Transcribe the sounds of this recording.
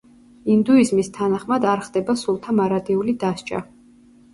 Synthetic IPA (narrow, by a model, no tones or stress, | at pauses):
ind̪uizmist̪ʰanaχmad̪aɾχd̪ɛbasulˠt̪ʰamaɾad̪iulid̪ast͡ʃʼa̰